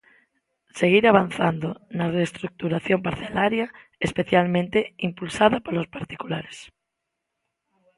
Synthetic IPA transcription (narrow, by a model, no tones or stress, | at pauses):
seɣiɾaβ̞an̟θand̪onarest̪ɾuk̚t̪uɾaθjompaɾθelaɾjaespeθjalmẽnt̪eimpulsaðapalospaɾt̪ikulaɾes